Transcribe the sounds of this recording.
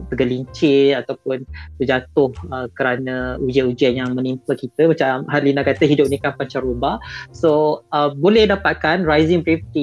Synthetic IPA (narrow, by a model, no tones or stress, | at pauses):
t̪əɡəliɲt͡ʃɪat̪awpʊnsəd͡ʒat̪ʊhəkəɾanəud͡ʒiaʔud͡ʒianjaŋmə̃nimpəkit̪əmat͡ʃamɦalinakat̪əɦidʊp̚nikampaɲt͡ʃaɾobasoəbolɛhdapat̪̚kanrajzɪŋbɾift̪i